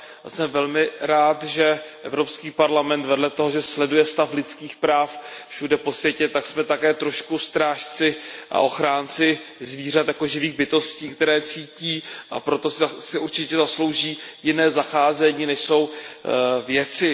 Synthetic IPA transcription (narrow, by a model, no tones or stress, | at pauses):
a̰sɛmvɛlmɪɾaːt̪ʒɛʔɛvɾo̞pskiːpaɾlamɛnt̪vɛdlɛt̪oɦoʒɛslɛdujɛst̪aflɪt͡skiːxpɾaːffʃudɛpo̞svjɛcɛt̪aksmɛt̪akɛːt̪ɾo̞ʃkust̪ɾaːʃt͡sɪʔa̰ʔo̞xɾaːnt͡sɪzviːr̝at̪jako̞ʒɪviːɣbɪt̪o̞sciːkt̪ɛɾɛːt͡siːciːʔa̰pɾot̪o̞sɪuɾt͡ʃɪcɛzaslo̞wʒiːjɪnɛːzaxaːzɛɲiːnɛʃso̞w | vjɛt͡sɪ